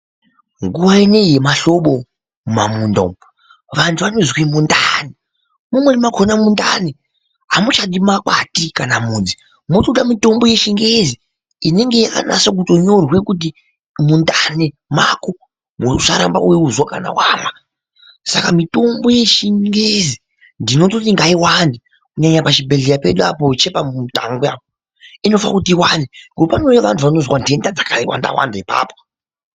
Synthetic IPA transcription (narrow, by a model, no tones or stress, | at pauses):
ŋɡuwaine̞je̞maɬo̞ɓo̞ | mumamuːndo̰m | ʋantʰuʋanozwimundane | mumwenimakʰonamundane | ɦamut͡ʃaɗimakwatikanamuːnd͡zi | motoɗamito̞mbo̞je̞ʃiŋɡezi | ine̞ŋɡe̞a̰na̰sak̬uto̞ɲo̞rwe̞kut̬i | mundane | mako | muʂaɾamba̰weuzwaka̰na̰waːna | sakamito̞mbo̞je̞ʃiŋɡezi | ndino̞t̬otiŋɡaiwani | kuɲaɲapat͡ʃibʱeɮejape̞ɗuapot͡ʃe̞pautaŋɡeapo | ino̞fa̰kutiiwaniŋɡo̞pano̞jaʋantʰuʋano̞zwandie̞ndad͡zakaiwa̰nda̰wa̰ndaipa̰ːpo